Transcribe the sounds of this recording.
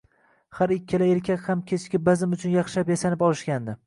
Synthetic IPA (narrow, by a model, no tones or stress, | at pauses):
haɾɪkʲːɪlaeɾkʲʰakʲhamkʲʰet͡ʃʰkʲɪbazɪmʊt͡ʃʰʊnjaχʃapjasanɪpɒlˠɪʃkʲand̪ɪ